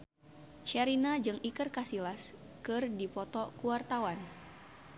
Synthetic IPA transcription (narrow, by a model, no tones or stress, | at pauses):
ʃaɾinad͡ʒɨŋikɨrkasilas | kɨrdipɔt̪ɔkuwart̪awan